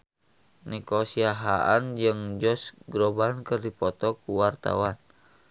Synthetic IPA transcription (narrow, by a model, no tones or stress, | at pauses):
nikɔsiaɦaʔand͡ʒɨŋd͡ʒɔsɡɾɔbankərdipɔt̪ɔkuwart̪a̰wan